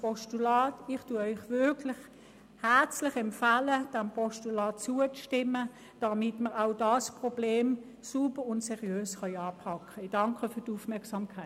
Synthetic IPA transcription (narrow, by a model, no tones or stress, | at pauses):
pɔʃtulɑːtɪχtuɐœʏχvʏɐkʰlɪχ | hæɐt͡slɪχɛmfaləd̥æmpʰɔʃtulɑːtt͡suəʃtɪmːə | d̥ɑmɪtməʁaʊdɑspʁobleːm | subəʁʊntsɛʁiøːsχœjɑːpʰɑkʰːəd̥ɑŋkʰəfyːdufmɛɐksɑmkʰa